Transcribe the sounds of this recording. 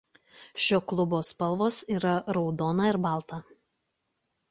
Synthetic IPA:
ʃʲoːklˠʊboːspɐlˠʋoːsiːɾɐɾɒʊd̪oːnɐɪɾbɑˑlˠt̪ɐ

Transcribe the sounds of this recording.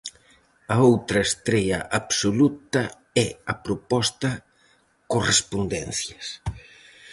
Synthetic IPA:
ɐowt̪ɾɐest̪ɾeʎɐ̰ʔabsolut̪ɐ | ɛɐpɾopɔst̪ɐ | korespond̪ɛnθjɐs

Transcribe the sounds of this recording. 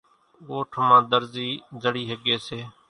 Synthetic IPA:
ɠoːʈʰmãːd̪əɾziːzəɽiːɦəɠeːseː

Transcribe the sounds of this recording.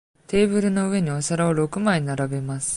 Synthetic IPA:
t̪e̞ːbɯ̟ɾɯ̟no̞ɯ̟e̞ɲ̟iosaɾaoɾo̞kɯ̟maiinaɾabe̞masɨ̥

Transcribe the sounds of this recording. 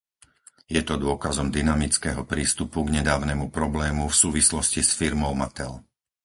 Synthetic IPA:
jɛt̪ɔd̪ʊɔkazɔmd̪inamit͡skɛɦɔpɾiːst̪upuɡɲɛd̪aːʊnɛmupɾɔblɛːmufsuːʋislɔscisfiɾmɔʊmat̪ɛl

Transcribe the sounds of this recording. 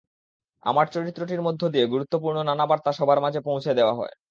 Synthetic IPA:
a̰maɾt͡ɕoɾit̪ːɾoʈiɾmod̪ʱːod̪ieɡuɾut̪ːopuɾnonanabaɾt̪aʃɔbʱaɾmad͡ʑʱepõwt͡ɕʰed̪eoaɦɔ̰e

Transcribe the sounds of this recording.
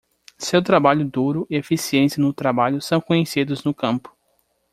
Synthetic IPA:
sewt̪ɾabaʎʊd̪uɾʊʔiefisiẽsɐnʊt̪ɾabaʎʊsɐ̃w̃kõɲesid̪ʊznʊkɐ̃mpʊ̥

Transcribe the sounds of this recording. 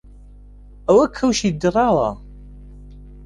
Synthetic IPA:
æwækʰːæwʃid̪ːəɾˤɑɾˤɑ̰

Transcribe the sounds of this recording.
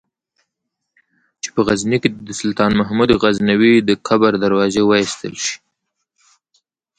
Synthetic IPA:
t͡ʃe̥pəɣazniked̪əsʊlt̪ɑnmaɦmud̪ɣaznawid̪əkʰabaɾd̪aɾwɑzewəist̪ə̰lʃi̥

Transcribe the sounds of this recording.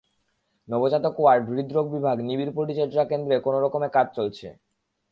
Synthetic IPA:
nɔbod͡ʑat̪okoaɾbɾid̪ɾoɡ̚bibʱaɡnibiɾpoʈit͡ɕeɾd͡ʑɾakend̪ɾekonoɾɔkomekad͡ʑt͡ɕolt͡ɕʰḛ

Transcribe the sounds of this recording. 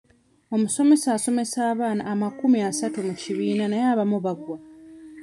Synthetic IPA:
o̞muso̞me̞saːso̞me̞saːβaːna̰ːmakumiasatumuciβiːnanajaːβamuβaɡwa

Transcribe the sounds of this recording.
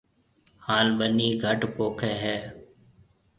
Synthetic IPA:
haːlɓəniːɡʱəʈpoːkʰeːɦɛː

